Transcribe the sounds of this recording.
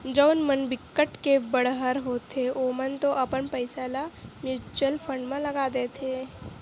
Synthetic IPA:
d͡ʒɔːnmənbɪkːəʈkebəɽɦəɾɦoːt̪ʰeʔoːmənt̪oʔɐpənpəɪsalamjuːt͡ʃuwəlpʰə̃ɳɖmẽlɐɡad̪et̪ʰeː

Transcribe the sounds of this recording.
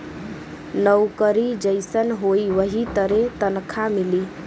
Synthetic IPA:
nəwkəɾid͡ʒəɪsənɦoiʋəɦit̪əɾet̪ənkʰamili

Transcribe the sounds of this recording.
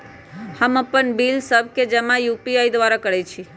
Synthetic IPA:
həməpənbilsəb̚ʱked͡ʒəmãjupiajd̪ʋaɾakəɽɛt͡ʃʰi

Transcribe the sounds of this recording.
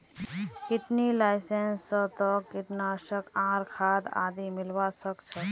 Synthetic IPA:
kɪt̪nilaːɪsensːət̪ɔkːɪt̪naːʃəkãːɾkʰaːd̪a̰ːd̪imɪlʋasəkt͡ʃʰə

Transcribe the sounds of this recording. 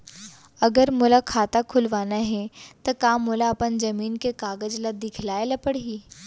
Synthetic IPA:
ɐɡəɾmʊlakʰaːt̪akʰʊlʋaːnaɦɛt̪okaːmʊlaɐpənd͡ʒɐmiːnkekaːɡəd͡ʒlad̪ɪkʰlaːelɐpəɽɦiː

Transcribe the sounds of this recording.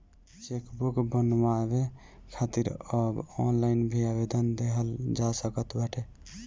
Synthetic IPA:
t͡ʃekbukbənwabe | kʰat̪iɾəbɔnlainbʱiabed̪ənd̪eɦəld͡ʒasəkət̪baʈʰe

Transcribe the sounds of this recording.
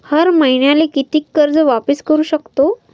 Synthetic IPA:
həɾməiɳjalekit̪iːkːəɾd͡zʋapəskəɾuːɕəkt̪o

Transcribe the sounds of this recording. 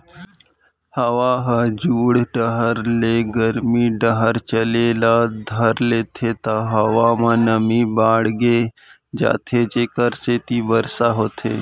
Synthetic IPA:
hɐʋaːɦad͡ʒuːɽɖəɦəɾleːɡəɾmiɖəɦəɾt͡ʃəleːlad̪ʱəɾleːt̪ʰet̪aɦɐʋamãnəmibaːɽɡe | d͡ʒa̰ːt̪ʰet͡ʃekəɾset̪ibəɾsaɦoːt̪ʰḛː

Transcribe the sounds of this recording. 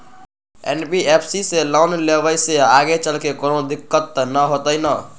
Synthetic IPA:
ḛnbiepʰsiselɔwnleβəjseaɡet͡ʃəlkekonod̪ikːət̪ːnəɦot̪əjnə

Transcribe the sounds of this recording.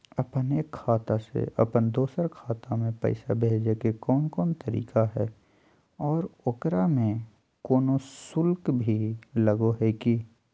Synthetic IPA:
əpəneːkʰːaːt̪asḛə̰pənd̪oːsəɾkʰaːt̪amẽpə̰ɪsa̰bʱeːd͡ʒekekɔːnkɔːnt̪əɾḭːkaɦɛː | ɔːɾokɾamẽ | koːnosʊlkbʱiləɡoɦɛki

